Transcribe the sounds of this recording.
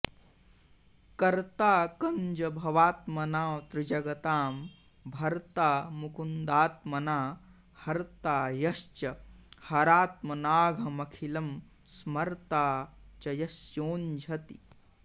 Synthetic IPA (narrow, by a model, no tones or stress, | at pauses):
kɐɾt̪aːkɐɲd͡ʒɐbʱɐʋaːt̪mɐnaːwt̪ɾɪd͡ʒɐɡɐt̪aːm | bʱɐɾt̪aːmukund̪aːt̪mɐnaː | hɐɾt̪aːjɐst͡ʃɐhɐɾaːt̪mɐnaːɡʱɐmɐkʰilɐm | smɐɾt̪aːt͡ʃɐjɐsjoːnd͡ʒʱɐt̪i